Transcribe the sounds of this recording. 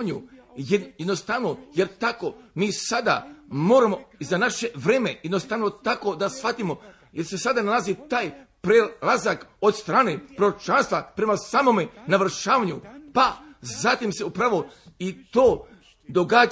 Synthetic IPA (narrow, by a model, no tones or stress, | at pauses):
ɲujjed̪nost̪aʋno̞je̞ɾt̪ako̞miːsad̪a̰mo̞ːɾamo̞izanaʃe̞ʋɾeːme̞jed̪nost̪aʋno̞t̪ako̞d̪asʋat̪imo̞ | jeɾse̞sad̪analˠazit̪aːjpɾelˠazakod̪st̪ɾaːne̞pɾoɾot͡ʃanst̪ʋapɾe̞masamo̞me̞naʋr̩ʃaːʋaɲupazat̪imse̞upɾaʋo̞it̪oː | d̪o̞ɡaː